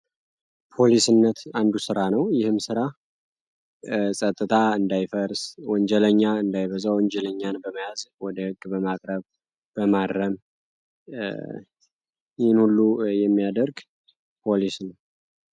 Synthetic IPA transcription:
pʰo̞lisɨnːət̪and̪usɨɾanəwjɪhɨmsɨɾa | sʼət̪ʼːɨt̪ʰaɨnd̪ajfəɾswɔɲd͡ʒɛləɲːaɨnd̪ajβəzawɔɲd͡ʒɛləɲːanbəməjazwɔd̪əhɨɡbəmakʼɾəβ | b̥əmad̪ɾəm | jɪhɨnhulːujɛmːijad̪əɾɡ | pʰo̞lisnəw

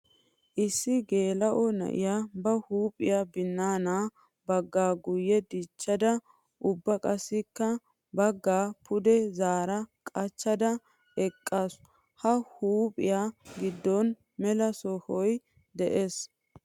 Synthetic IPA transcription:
ʔɪsːɪɡe̞ːlɐʔɔnɐ̰ʔɪ̰jaːbɐhuːpʼɪjaːbɪnːaːnaː | bɐɡːaːɡʊjːɛd̪it͡ʃːɐd̪ɐ | ʔʊbːɐkʼɐsːɪkːɐ | bɐɡːaːpʰʊd̪ɛzaːɾɐkʼɐt͡ʃːɐd̪ɐ | ɛkʼːas | hɐhuːpʼɪjaːɡɪd̪ːɔn | mɛlɐsɔhɔj | d̪ɛʔeːs

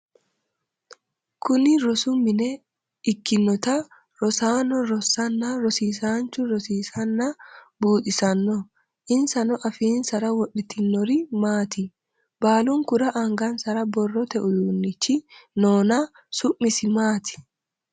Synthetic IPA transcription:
kʊnɪɾɔsʊmɪnɛ | ɪkːɪnːɔt̪ɐ | ɾɔsaːnɔɾɔsɐnːaɾɔsiːsaːnt͡ʃʊɾɔsiːsɐnːabuːᶑɪsɐnːɔ | ʔɪnsɐnɔʔɐfiːnsɐɾɐwɔɗɪt̪ɪnːɔɾɪmaːt̪i | b̥aːlʊŋkʊɾɐʔɐŋɡɐnsɐɾɐbɔrːɔt̪ɛʔʊjuːnːɪt͡ʃːɪnoːna | sʊʔmːɪsɪmaːt̪ʰɪ̥

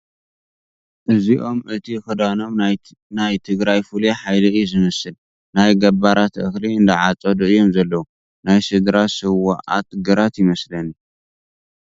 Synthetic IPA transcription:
ʔɨziʔo̞mʔɨt̪ʰixɨd̪ano̞m | najt̪ʰɨɡɾajfuliħajlɐɨjuzɨmɐsɨl | najɡɐbaɾat̪ʔɨxliɨnd̪ɐʕat͡sʼɐd̪ɨʔɨjo̞mzɐlːɐwu | najsɨd̪ɾasɨwaʔa̰t̪ʼɡɨɾat̪jɪmɐslɐn

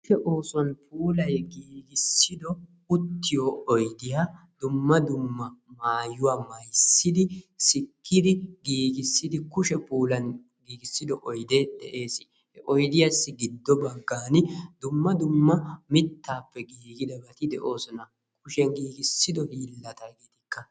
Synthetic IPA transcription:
ʃɛʔoːsɔnpʰuːlɐjɡiːɡɪsːɪd̪ɔ | ʊt̪ːɪjoːɔjd̪ɪjaː | d̪̥ʊmːɐd̪ʊmːɐmaːjʊwaːmɐjsːɪd̪ɪsɪkʰːɪd̪ɪɡiːɡɪsːɪd̪ɪkʊʃɛpuːlɐn | ɡiːɡɪsːɪd̪ɔʔɔjd̪eːd̪ɛ̰ʔeːsɪ | hɛʔɔjd̪ɪjasːɪɡɪd̪ːɔbɐɡːaːnɪd̪̥ʊmːɐd̪ʊmːɐmɪt̪ːaːpːɛɡiːɡɪd̪ɐbɐt̪ɪd̪ɛʔo̞ːsɔnɐ | k̚ʰʊʃɛnɡiːɡɪsːɪd̪ɔhiːlːɐt̪ɐɡit̪ɪkːɐ

